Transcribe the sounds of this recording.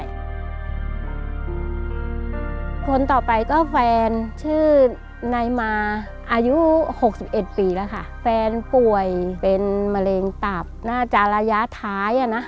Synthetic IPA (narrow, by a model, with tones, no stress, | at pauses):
kʰo˧nt̪ɔː˨˩pa˧jkɔː˥˩fɛː˧nt͡ɕʰɯː˥˩ | na˧jmaː˧ | ʔaː˧ju˦˥ho˨˩k̚si˨˩p̚ʔe˨˩t̪̚piː˨˩la˧kʰa˥˩fɛː˧npu˨˩əjpe˧nma˧leː˧ŋt̪a˨˩p̚naː˥˩t͡ɕa˨˩ɾaː˧ja˦˥t̪ʰaː˦˥jʔa˧˩na˦˥